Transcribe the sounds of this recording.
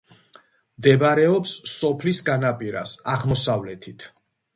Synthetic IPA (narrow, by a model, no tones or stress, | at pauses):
md̪ɛbaɾɛɔpsːɔpʰlisɡanapʼiɾa̰saʁmɔsavlɛt̪ʰit̪ʰ